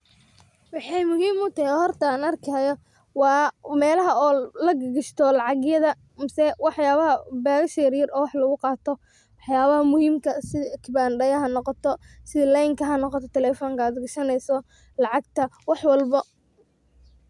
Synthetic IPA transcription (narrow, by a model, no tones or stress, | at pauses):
wɑħɑjmʊɦiːmʊt̪ʰɐhɛhɔrt̪ɐnɐrkʰɐːjɔ | wɑːmɛːlɐɦɐɔːlɐɡɐɡɐʃt̪ʰɔlɑʕɑɣjɐðɐ | mɪsɛwɑħjaːβɐɦɐbaːɣʃɛːɾjɪrɔːwɑħlɐɣʊqɑːt̪ʰɔ | wɑħjaːβɐɦɐmʊhiːmkʰɐsɪðkʰɪbaːnɖɐjɐɦɐnɔqɔt̪ʰɔ | sɪðɐlɛjŋkʰɐɦɐnɔqɔt̪ʰɔt̪ʰɛlɛːfɔːŋkʰɐaːd̪ɡɐʃɐnɛjsɔ | lɑʕɑɡt̪ʰɐwɑħwɑlbɐ